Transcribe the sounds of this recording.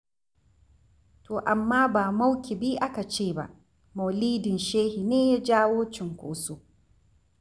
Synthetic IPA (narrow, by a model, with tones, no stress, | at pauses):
tʰoː˨ʔa˨mːaː˦baː˨ma˦wkʲi˨bi˦ʔa˦ka˨t͡ʃeː˦˨ba̰˨ʔ | ma˨wliː˦dɪ˨nʃeː˦hi˨neː˦ja˦d͡ʒaː˦woː˦t͡ʃɪ˨ŋkʷo̰ː˦soː˦